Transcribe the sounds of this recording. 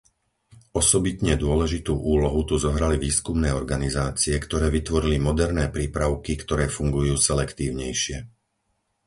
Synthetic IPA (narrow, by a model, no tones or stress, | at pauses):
ɔsɔbit̪ɲɛd̪ʊɔlɛʒit̪uːʔuːlɔɦut̪uzɔɦɾaliʋiːskumnɛːɔɾɡanizaːt͡siɛkt̪ɔɾɛːʋit̪ʋɔɾilimɔd̪ɛɾnɛːpɾiːpɾaʊkikt̪ɔɾɛːfuŋɡujuːsɛlɛkt̪iːʊɲɛjʃɪɛ